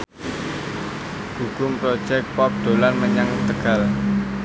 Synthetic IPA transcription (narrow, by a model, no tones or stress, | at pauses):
hukʊmpɾod̥ʒ̥ɛk̚pɔp̚d̪̥o̤lanməɲaŋt̪əɡ̥a̤l